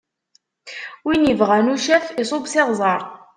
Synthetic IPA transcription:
winjəvʁænuʃæfisˤobsɪʁzˤɑɾˤ

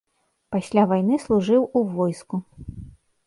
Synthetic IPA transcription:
pasʲlʲavajn̪ɨslˠuʐɨwuvɔjsku

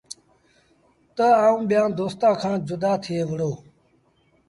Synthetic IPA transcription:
t̪əaːũːɓjãːd̪oːst̪ãːkʰãːd͡ʑʊd̪aːt̪ʰeːʋəɽoː

